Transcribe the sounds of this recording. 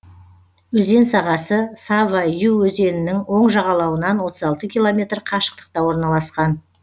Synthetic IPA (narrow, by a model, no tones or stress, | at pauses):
wɵze̞nsɑʁɑsəsɑvajuwɵze̞nɪnɪŋwo̞ɴʒɑʁɑlˠɑwənɑnwo̞t̪əzɑlˠt̪əkʲʰilˠo̞mʲe̞t̪ɾqʰɑʃə̥q̚t̪ə̥q̚t̪ɑwo̞ɾnɑlˠɑsqɑn